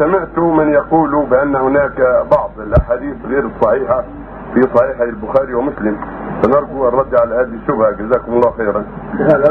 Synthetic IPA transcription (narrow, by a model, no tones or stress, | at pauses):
samɪʕt̪ʊmɪnjɑquːlʊbɪʔanːhʊnaːkbɑʕd̪ˤɪlʔaħaːd̪iːθɣiːɾɨsˤːɑħiːħa | fisˤɑħiːħalbʊxaːɾiwamʊslɪmfanɑɾˤɡuʔrˤːɑd̪ːiʕalahaːðʃːʊbhad͡ʒazaːkʊmɑlˤːɑːwxeːɾan